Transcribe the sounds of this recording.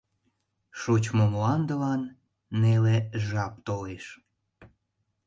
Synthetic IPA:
ʃut͡ɕmomlɑnd̪əlɑnː | eleʒɑp̚t̪oleʃ

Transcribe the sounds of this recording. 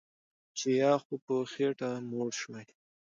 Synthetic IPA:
t͡ʃejɑxopoxeʈamoɽʃmaj

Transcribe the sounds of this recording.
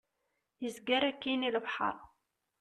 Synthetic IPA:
jəzɡæɾækːiniləbħɑ̰ɾˤ

